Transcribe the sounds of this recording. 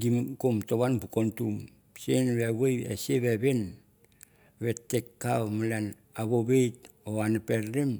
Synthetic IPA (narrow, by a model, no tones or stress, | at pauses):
ɡimkomtoβanbukontum | senβewejeseβeβen | βetːekːawmalan | aβobejt̚ | oanapeɾɾem